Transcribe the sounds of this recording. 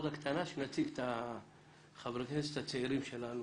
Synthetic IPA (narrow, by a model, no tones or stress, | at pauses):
dakt̪ʰanaʃenat͡siʔt̪ʰa | χavɾek̪est̪at͡seiɾimʃelanu